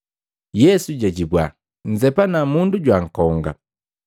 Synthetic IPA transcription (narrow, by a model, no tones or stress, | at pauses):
jɛsuɟɛɟibwa | n̩zɛpanamunduɟwaŋ̩kɔŋɡa̰